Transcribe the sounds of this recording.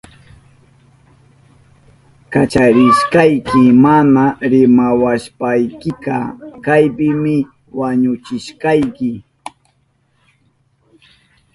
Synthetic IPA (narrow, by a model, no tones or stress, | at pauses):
kat͡ʃaɾɪʃkajkɪmanaɾɪmawaʃpajkɪkɑ̰kajpɪmɪ | waɲʊt͡ʃɪʃkajkɪ